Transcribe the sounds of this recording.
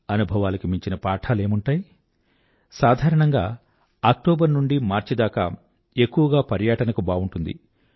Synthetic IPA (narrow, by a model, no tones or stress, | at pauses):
ɐnubʱɐʋaːlɐkimiɲt͡ʃinɐpaːʈʰaːle̞ːmuɳʈaːji | saːd̪ʱaːɾɐɳɐŋɡaː | ak̚ʈoːbɐɾnuɳɖimaːɾt͡ʃid̪aːka̰ː | e̞kːuʋɐɡaːpɐɾjɐːʈɐnɐkubaːuɳʈund̪ḭ